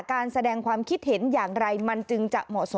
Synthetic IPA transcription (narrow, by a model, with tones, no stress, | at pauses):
kaː˧nsa˧dɛː˧ŋkʰwaː˧mkʰi˦˥t̪̚he˩˦njaː˨˩ŋɾa˧jma˧nt͡ɕɯ˧ŋt͡ɕa˨˩ʔmɔ̰˨˩ʔso˧˦